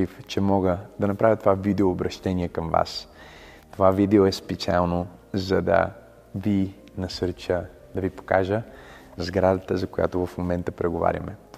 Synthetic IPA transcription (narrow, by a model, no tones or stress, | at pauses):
ift͡ʃɛmɔɡəd̪ɐnɐpɾavʲjət̪ovavid̪ɛoːbɾɐʃt̪ɛniɛkəmva̰s | t̪ovavid̪ɛoɛspɛt̪sia̰lˠno | zɐd̪ɐ̰ | vi | nɐsɤɾt͡ʃə | d̪ɐvipo̥kaʒəzɡɾad̪ət̪əzɐkoja̰t̪ovɐfmomɛnt̪əpɾɛɡova̰ɾʲɐ̰mɛ